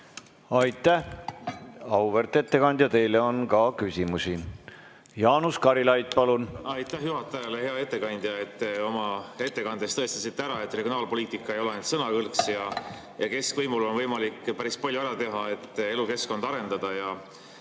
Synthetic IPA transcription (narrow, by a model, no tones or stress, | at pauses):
ɑjt̪ːˑæh | ɑwvert̪ːˑe̞t̪ːe̞kɑnʲd̪jɑt̪e̞jle̞o̞nkɑkysʲimusi | jɑːnuskɑɾilɑjd̪̚pɑlunɑjt̪ːˑæhjuɦɑt̪ːˑɑjɑlehe̞ɑe̞t̪ːˑe̞kɑnd̪̥jɑet̪ːeo̞mɑe̞t̪ːe̞kɑnd̪̥est̪ɤest̪ɑsit̪ːeæɾɑe̞t̪ːˑreɡionɑːlpo̞liːt̪ˑikːˑɑe̞joleent̪sɤnɑkɤlksjɑ | jɑke̞skvɤjmulo̞nvɤjmɑlikːpæɾispɑlʲjuæɾɑt̪e̞ɦɑe̞t̪ːe̞luke̞sko̞nd̪̥ɑɾe̞nd̪ɑd̪̥ɑjɑ